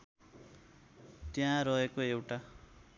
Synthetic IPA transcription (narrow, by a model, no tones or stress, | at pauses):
t̪jãɾʌɦekoewʈa